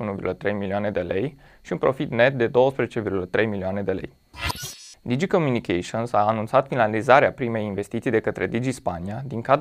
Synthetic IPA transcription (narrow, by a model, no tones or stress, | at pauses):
unuvḭrɡulət̪ɾe̞jmilioane̞d̪e̞le̞j | ʃiunpɾo̞̰fit̪ne̞t̪̚d̪e̞d̪o̞wəspɾezet͡ʃevirɡulət̪ɾe̞jmilioane̞d̪e̞le̞̰j | d̪id͡ʒiko̞mjunikʰeʃionsaːnunt̪sat̪finalizaɾeapɾime̞jinve̞st̪it̪sijd̪e̞kət̪ɾe̞̰d̪id͡ʒispaniad̪iŋkad̪